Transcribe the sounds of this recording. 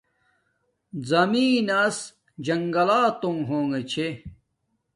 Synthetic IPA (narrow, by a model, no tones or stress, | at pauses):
zɐmiːnɐs | d͡ʑɐŋɡɐlaːt̪oŋɦoːŋɡɐt͡ɕʰe